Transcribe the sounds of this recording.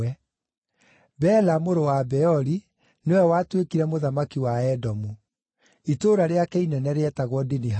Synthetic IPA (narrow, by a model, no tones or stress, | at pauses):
ɛ | bɛlamoɾowabɛɔɾi | newɛwatwekiɾɛmoðamakiwaɛdɔmu | itoɾaɾeakɛinɛnɛɾeɛtaɣwɔdiniɦ